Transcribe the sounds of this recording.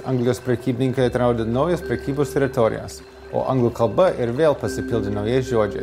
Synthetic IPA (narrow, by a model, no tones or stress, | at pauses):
ɐŋɡlʲɪjoːspʲɾʲɛkʲiːbʲɪnʲɪŋkɐɪɐt̪ɾɑˑʊd̪ʲenɐʊjɛspʲɾʲɛkʲiːboːst̪ʲɛɾʲɪt̪ɔɾʲɪ̰jɛ̰s | o̰ːʔɐ̰̃ŋɡlˠuːkɐlˠbɐʔɪɾʋʲeːlˠpɐsʲɪpʲɪlʲˠd̪ʲʊnɒʊjɛɪsʒʲoːd͡ʒʲɛɪ